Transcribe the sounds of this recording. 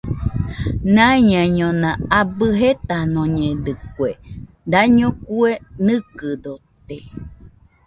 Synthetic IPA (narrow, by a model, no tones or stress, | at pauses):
nãɲãɲõnãabɨɦet̪anõɲẽd̪ɨkwe | d̪aɲõkuenɨ̃kɨd̪ot̪e